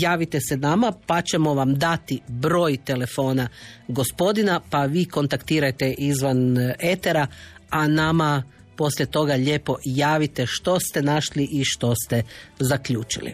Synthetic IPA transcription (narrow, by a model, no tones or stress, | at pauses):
jaːʋit̪esenamapat͡ɕe̞mo̞ʋamd̪at̪ibɾo̞ːjt̪e̞le̞fo̞ːnaɡo̞spo̞d̪inapaʋiːko̞nt̪akt̪iːɾajt̪e̞ʔizʋane̞t̪eɾaanama | po̞slʲʎʲjet̪o̞ɡaʎe̞ːpo̞jaːʋit̪e̞ʃt̪o̞st̪e̞naʃliʔiʃt̪o̞st̪e̞zakʎuːt͡ʃḭlḭ